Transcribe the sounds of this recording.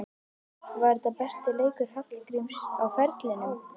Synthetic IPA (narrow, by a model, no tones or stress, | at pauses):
vɛɾt̪apɛst̪ɪleːjkʏɾ̥haknkɾimsawfɛɾt̪lɪnʏ